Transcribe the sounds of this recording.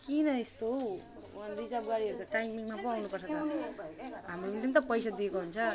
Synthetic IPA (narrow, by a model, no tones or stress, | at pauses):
kinʌest̪oɦ | wanrid͡zʌbɡaɾiɦʌɾukaʈajmiŋmapʌawnupʌrsʰʌt̪a | ɦamroit̪imt̪̬ʌpʌjsad̪iekoɦunt͡sʰʌ